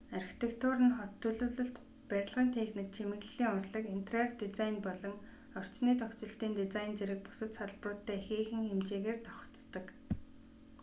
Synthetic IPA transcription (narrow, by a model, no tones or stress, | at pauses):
arxi̥t̪ʰekt̪ʰʊːɾɘ̆nχɔt̪ʰːɵɮɵːɮɵ̆ɬt̪ | pæɾʲɪ̆ɮʁiːnt̪ʰeːxnĭk̚t͡ɕʰemɘ̆ɣɮɮiːŋʊrɮə̆kin̥t̪ʰrert̪it͡sajnpɔɮɞ̆ŋ | ɔr̥t͡ɕniːt̪ɔkt͡sɪ̆ɬt̪iːnt̪it͡sajnt͡seɾɘ̆k̚pʊ̥sə̆t̪saɮprʊːt̪ːæːxeːxɘ̆ŋxemt͡ɕeːɣeːrt̪ɔ̥χɞ̥̆t͡st̪ə̆k